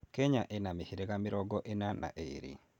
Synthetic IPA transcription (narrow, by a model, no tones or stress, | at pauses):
keɲaʔenamihiɾekamiɾɔɡɔʔenanʔa̰ʔḛɾḭ